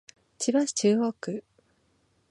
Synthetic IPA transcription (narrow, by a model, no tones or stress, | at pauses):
t͡ɕibaɕi̥t͡ɕɨːɣoːkɯ